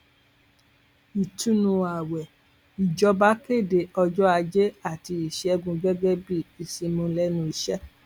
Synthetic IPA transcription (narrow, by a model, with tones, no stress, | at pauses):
i˨tũ˦nũ˧a˨wɛ˨ | i˨d͡ʒɔ˧ba˦ke˦˨de˨ɔ˧d͡ʒɔ˦a˧d͡ʒe˦a˦˨ti˧i˨ʃɛ˦ɛ˧ɡũ˧ɡɛ˦ɡɛ˦bi˦˨i˨si˧mũ˧lɛ˦nũ˧i˧ʃɛ˦